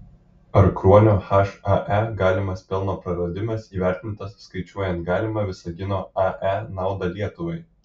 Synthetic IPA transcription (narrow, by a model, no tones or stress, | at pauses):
ɐɾkɾuɔnʲoːxɐʃɐʔæɡɑːlʲɪmɐspʲɛlˠnoːpɾɐɾɐd̪ʲɪmɐsiːʋʲæˑɾʲt̪ʲɪnt̪ɐsskɐɪt͡ʃʲuɔjɛnt̪̚ɡɑːlʲɪmɐʋʲɪsɐɡʲɪnoːɐʔænɑˑʊd̪ɐlʲiɛt̪ʊʋɐɪ